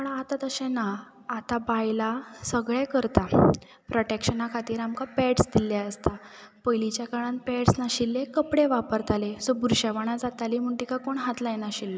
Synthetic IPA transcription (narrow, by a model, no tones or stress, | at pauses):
pəɳat̪at̪əɕẽnaː | t̪abajlasəɡɭekəɾt̪a | pɾoʈekɕənakʰat̪iːɾamkapɛʈsd̪ilːjaəst̪apəjlit͡ɕjakaɽãnpɛʈsnaɕilːekəpɽeʋapəɾt̪ʰalesobuɾɕaʋaɽ̃ad͡zat̪alim̤əɳʈikakoɳɦat̪lajenaɕilːə